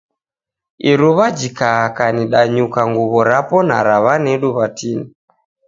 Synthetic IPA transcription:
iɾuβad͡ʒikaakaniɗaɲukaŋɡuβɔɾapɔna̰ɾaβanɛɗuβatini

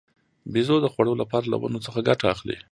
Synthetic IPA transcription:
bizod̪əxwaɽəolapɑɾala̰wa̰not͡səxaɡaʈaːxlḭ

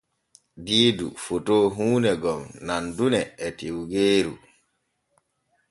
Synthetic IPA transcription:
diːdṵfotoːɦuːnɛɡɔmnandunɛːtiwɡeːɾṵ

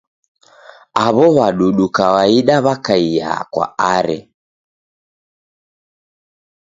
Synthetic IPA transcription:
aβɔβaɗuɗukawaiɗaβakaija̰kwa̰aɾɛ̰

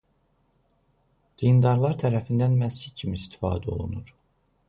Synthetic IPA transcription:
d̪̥ind̪ɑɾlˠɑɾt̪ʰæɾæfind̪ænmæsd͡ʒid̪̥̚cʰimiist̪ʰi̥fɑ̰ːd̪ɛo̞̰lˠṵnuɾ̥

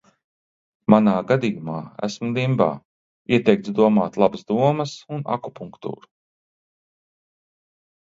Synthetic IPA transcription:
manaːɡad̪ijumaːæ̰smud̪imba̰ː | iɛt̪ɛjk̚t̪sd̪uɔmaːt̪lˠabasd̪uɔmɐsuna̰kupuŋkt̪ṵːɾu̥

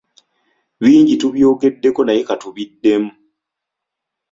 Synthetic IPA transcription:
βiːɲɟituβjoɡedːekonajekatuβidːemu

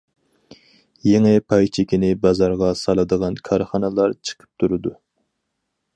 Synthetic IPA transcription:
jeŋɪpʰɑjt͡ʃʰɪkʲinɪbɑzɑɾʁɑsɑlˠɨd̪əʁɑnkʰɑɾχɑnɨlˠɑɾt͡ʃʰə̥qʰə̥p̚t̪ʰuɾɨd̪u

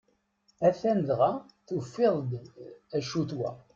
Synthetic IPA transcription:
æθænðʁa | θufːɪðˤd̪æʃut̪wæ̰

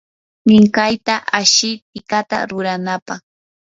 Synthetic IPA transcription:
mɪŋkajt̪aʔaʃɪt̪̚ɪkat̪a̰ɾʊɾanapɑχ

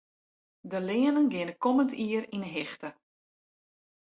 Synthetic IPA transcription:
dəlɪːənənɡɪnəkɔməntiərinəɦɪxtə

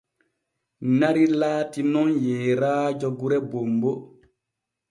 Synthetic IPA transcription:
naɾilaːtinɔnjɛːɾaːd͡ʒɔɡuɾɛbombɔ

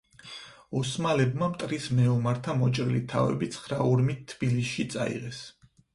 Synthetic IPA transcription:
ɔsmalɛbmamt̪ʼɾismɛɔmaɾt̪ʰamɔt͡ʃʼɾilit̪ʰa̰vɛ̰bit̪sʰχɾauɾmit̪ʰːb̥ilisʃit̪sʼa̰ḭʁɛs

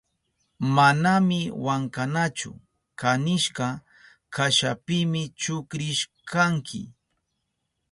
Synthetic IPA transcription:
manamɪwaŋkanat͡ʃʊ̰ | kanɪʃkɑ | kaʃapɪmɪt͡ʃʊkɾɪʃkʰaŋkʰɪ̰

